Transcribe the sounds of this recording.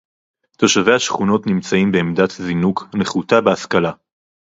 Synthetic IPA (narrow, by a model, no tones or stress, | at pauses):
t̪oʃavehaʃχuno̞tnimt͡saimbeːmdat̪zinukneχut̪abeaskala